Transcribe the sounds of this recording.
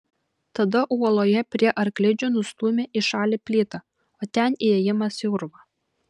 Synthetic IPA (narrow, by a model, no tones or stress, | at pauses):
t̪ɐd̪ɐʔuɔlˠoːjɛpʲɾʲiɛʔɐɾklʲɪd͡ʒʲʊnʊst̪uːmʲeːʔiʃɑːlʲɪpʲlʲiːt̪ɐ | oːt̪ʲɛniɛjɪmɐsjʊɾʋɐ